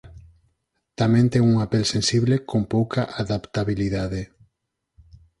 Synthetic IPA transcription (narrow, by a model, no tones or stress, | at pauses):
t̪amẽnt̪eŋuŋapelsensiβlekompowkʰaʔaðapt̪aβiliðaðe